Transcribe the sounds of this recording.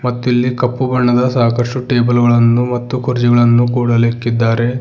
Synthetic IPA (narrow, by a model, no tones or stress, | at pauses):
mɐt̪ːuilːikɐpːubɐɳːɐd̪ɐsaːkɐʂʈuʈe̞ːbɐlɡɐɭɐnːumɐt̪ːukʰuɾd͡ʒiɡɐɭɐnːukuːɽɐleːkːid̪ːaːɾe̞